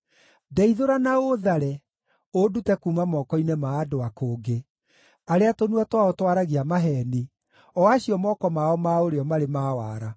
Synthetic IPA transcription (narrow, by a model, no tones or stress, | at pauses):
dɛiðoɾanaoðaɾɛ | odutɛkuːmamɔkɔinɛmaːdoakoːɡe | aɾeatonuatwaotwaɾaɣiamaɦɛni | ɔaɕiɔmɔːkɔmaɔmaoɾeɔmaɾemawaːɾa